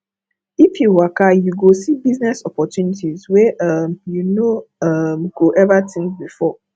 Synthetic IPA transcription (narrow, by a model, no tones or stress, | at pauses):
ifjuwakajuɡosibiznɛsɔpɔtjunitizwɛʔʌmjunoʌmɡ̥oʔɛvatʰĩŋkbifɔ